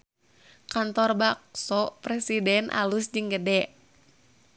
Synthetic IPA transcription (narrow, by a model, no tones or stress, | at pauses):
kant̪ɔrbak̚sɔpɾɛsidɛnʔa̰lusd͡ʒɨŋɡədɛ